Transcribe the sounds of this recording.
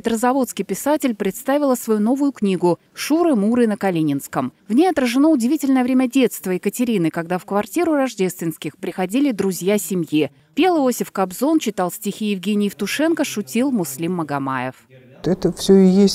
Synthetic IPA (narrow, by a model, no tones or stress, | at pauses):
pʲɪt̪ɾəzɐvo̞t̪skʲɪjpʲɪsatʲɪlʲpɾʲɪt̪st̪avʲɪlˠəsvɐjuno̞vʊjʊknʲiɡʊ | ʂuɾɨmuɾɨnəkɐlʲinʲɪnskəmvnʲejɐt̪ɾəʐɨno̞ʊdʲɪvʲitʲɪlʲnəjəvɾʲemʲədʲe̞t̪st̪vəɪkətʲɪɾʲinɨkɐɡd̪afkvɐrtʲiɾʊrɐʐdʲe̞st̪vʲɪnskʲɪxpɾʲɪxɐdʲilʲɪd̪ɾʊzʲjasʲɪmʲji | pʲe̞lˠɨosʲɪfkɐbzo̞nt͡ɕɪt̪alˠsʲtʲɪxʲijɪvɡʲenʲɪjft̪ʊʂɛnkəʂʊtʲilˠmʊslʲimːəɡɐma̰jɪ̰f | ɛt̪əfsʲɵjesʲ